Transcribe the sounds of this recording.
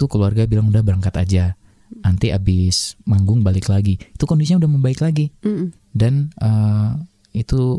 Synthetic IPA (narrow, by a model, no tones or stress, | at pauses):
ukəluarɡabilaŋudahbəɾaŋkat̪ad͡ʒa | ant̪iʔabɪsmaŋɡʊŋbalɪklaɡiit̪ukɔndisiɲaudahməmbaɪklaɡi | danə | it̪u